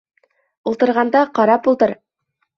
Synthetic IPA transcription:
ulˠt̪ɤ̆ɾʁɑnd̪ɑqɑɾɑp̚ulˠd̪ɤɾ

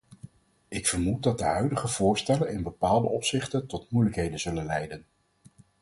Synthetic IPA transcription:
ɪkfəɹmut̚dɑdəɦœɥdəχəvʊːɹstɛlənɪnbəpaːlˠdəʔɔpsɪχtəntɔtmujləkɦejdənz̥ɵlənlɛjdən

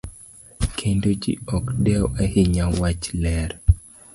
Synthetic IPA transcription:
kʰendod͡ʒḭɔkdɛwɛhiɲawat͡ʃlɛɾ

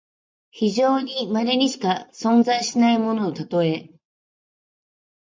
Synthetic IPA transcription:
çiʑo̞ːɲ̟imaɾeɲ̟iɕi̥kasõ̞nzaiɕinaimo̞no̞ːt̪at̪o̞e̞

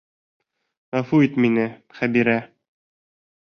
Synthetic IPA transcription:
æfuit̪minɘχæbiɾæ

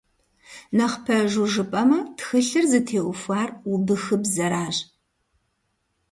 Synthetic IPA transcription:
nɐχpʰɐʒuʒɨpʼɐmɐtxɨɬɨrzɨtʰeːʔʊfʷaːrubɨxɨbzɐɾaːʒ

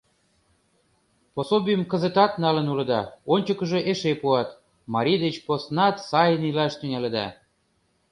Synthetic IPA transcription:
posobʲijəmkə̆zət̪ɑt̪nɑlə̆nulɤ̆d̪ɑonʲt͡ɕəkə̆ʒeʔeʃepuɑt̪ | mɑɾʲid̪et͡ɕposnɑt̪sɑjənilɑʃt̪yŋʲælĕd̪ɑ̰

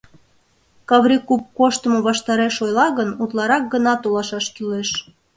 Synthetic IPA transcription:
kɑβɾʲikup̚koʃt̪ə̆moβɑʃt̪ɑɾeʃojlɑɣənut̪lɑɾɑk̚ɡənɑt̪olɑʃɑʃkyleʃ

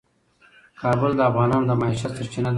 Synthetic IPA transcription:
kʰɑːbʊld̪əafɣɑnɑːnod̪əmaiʃat̪saɾt͡ʃinad̪

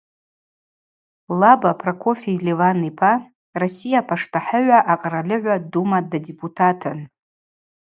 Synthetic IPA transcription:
labapʰrakʷʰo̞felivanipʰa | rosijapʰaʂtʰaħəʕʷaʔaqʼralɨʕʷadumadadepʰʼutʰatʰɨn

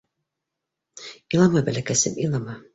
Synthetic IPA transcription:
ilˠɑmɤbælʲækæsɘ̰milˠɑmɑ

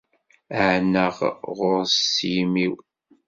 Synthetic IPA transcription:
əʕnəʁʁʊɾsijmiw

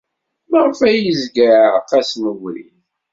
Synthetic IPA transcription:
məʁfæjəzɡəqːæsməvɾḭn

